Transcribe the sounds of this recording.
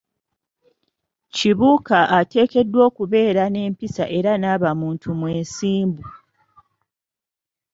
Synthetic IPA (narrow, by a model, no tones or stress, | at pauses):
ciβuːkaʔate̞ːke̞dːwo̞ːkuβe̞ːɾane̞ːmpisa̰ʔe̞ɾanaːβamuːntʰumweːnsiːmbu